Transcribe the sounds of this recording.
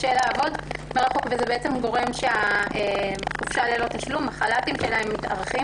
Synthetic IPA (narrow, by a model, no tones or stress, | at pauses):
ʃelaːvo̞dmeʁaχo̞kvezebeet͡se̞mɡo̞ʁe̞mʃeaeχufʃalelo̞t̪aʃlumaχalatimʃelaemːita̰ʁχi